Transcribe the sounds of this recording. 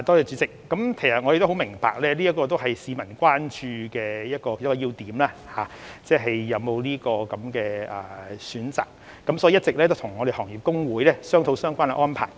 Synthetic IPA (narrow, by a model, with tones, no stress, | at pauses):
t̪ɔː˥jɛː˧t͡ʃyː˨˥t͡sɪ˨k̚ːɐ˨˥mkʰe˨˩sɐ˨t̚ŋɔ˨˧je˨k̚t̪hwmɪ˨˩ŋpa̰ː˨k̚lɛː˥liː˥jɐ˥t̚kɔː˧t̪̬o˥wɦɐ˨jsiː˨˧mɐ˨˩nkʷaː˥nt͡ʃyː˧kɛː˧jɐ˥t̚kɔː˧˨ɐ˥t̚kɔː˧iː˧wt̪iː˨˥mlaː˥haː˨˧t͡sɛː˥ɦɐ˨jːɐ˨˧wmo˨˧wliː˥kɔː˧kɐ˨˦mkɛː˧ɐː˨˩syː˨˥nt͡sa̰ː˨k̚ː | ɐ˨˥msɔː˨˦˥iː˨˩ɐ˥tt͡sɪ˨k̚lɛː˥t̪o˥wt̪ʰʊ˨˩ŋːɔː˨˧d̪e˨˩hɔː˨˩ŋjiː˨˩p̚kʊ˥ŋwuː˨˥jlɛː˥sœː˥ŋt̪ʰo˨˥wsœː˥ŋkʷaː˥na̰˧ʔɔː˥npʰa̰ː˨˩j